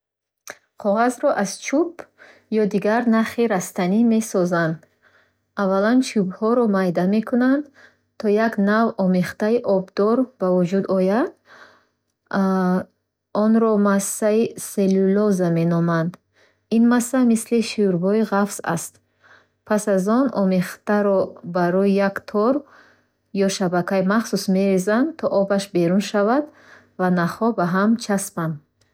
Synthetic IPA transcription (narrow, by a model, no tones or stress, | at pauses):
qʰɔʁazɾɔʔaz̥t͡ʃʰub | jɔd̪iɡaɾnaχiɾast̪anime̞sɔzand̪ | avːalant͡ʃʰubhɔɾɔmajd̪ame̞kʰunand̪ | t̪ʰɔjaɡnavɔmeχt̪aiʔɔbd̪ɔɾb̥avud͡ʒud̪ɔjad̪ | ɔnɾɔmasːaiselulɔzame̞nɔmand̪ | inmasːamisliʃuɾbɔiʁafsa̰st̪ | pʰasazɔnɔmeχt̪aɾɔbaɾɔijakt̪ʰɔɾ | jɔʃabakʰajmaχsusme̞ɾezand̪t̪ʰɔʔɔbaʃbe̞ɾunʃavad̪ | vanaχɔbaɦamt͡ʃʰaspan